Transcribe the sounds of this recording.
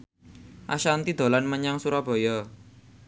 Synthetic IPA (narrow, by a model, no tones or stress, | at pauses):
ʔaʃant̪id̪̥o̤lanməɲaŋsuɾɔb̥o̤jɔ